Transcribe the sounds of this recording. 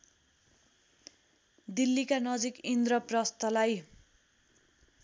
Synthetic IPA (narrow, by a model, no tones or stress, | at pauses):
d̪ilːikanʌd͡zikind̪ɾʌprʌst̪ʌlaj